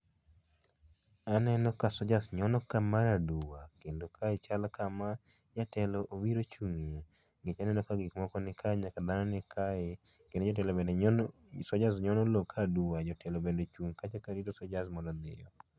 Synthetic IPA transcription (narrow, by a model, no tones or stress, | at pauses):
anɛnɔkasɔd͡ʒasɲɔnɔkamaɾaduwakendokʰaɪt͡ʃalkama | ɲatɛlɔʔowiɾot͡ʃuŋe | ɡet͡ʃanɛnɔkaɡɪkmɔkɔnɪkʰaɲakad̪anɔnɪkaɪ | kended͡ʒɔt̬ɛlɔbendɛ | sɔd͡ʒasɲɔnɔlɔkʰaduwad͡ʒɔtɛlɔbendot͡ʃuŋkat͡ʃɛkaɾidosɔd͡ʒasmɔdɔd̪ɪjɔ